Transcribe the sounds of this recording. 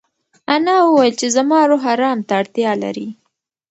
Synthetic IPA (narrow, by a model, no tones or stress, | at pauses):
anɑwəwajəlt͡ʃezamɑɾoɦaɾɑmt̪aːɽt̪jɑla̰ɾi